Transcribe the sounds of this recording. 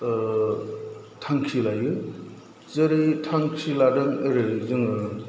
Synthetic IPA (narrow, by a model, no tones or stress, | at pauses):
tʰaŋkʰilajɯ | zɯɾɯtʰaŋkʰiladɯŋɯɾɯzɯŋɯ